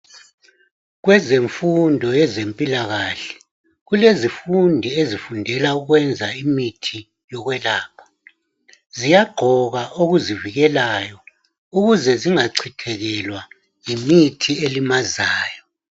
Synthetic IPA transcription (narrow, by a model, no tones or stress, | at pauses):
ɣwɛzeɱfundʱɔjɛzempʼilaɣaɬɛ̥ | ɣulezifundʱiezifundʱɛlauɣwɛnd͡zʱaimitʰi | jɔɣwɛlaːpʰḁ | zijaɡ͡ǃʱɔɣaʔoɣuziviɣɛlaːjɔ | uɣuzɛziŋaǀʰitʰɛɣɛlwa | imitʰielimazaːjɔ